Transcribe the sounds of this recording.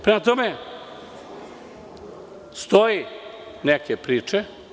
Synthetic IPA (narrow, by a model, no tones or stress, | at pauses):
pɾemat̪ome | st̪oje | nekepɾiːt͡ʃe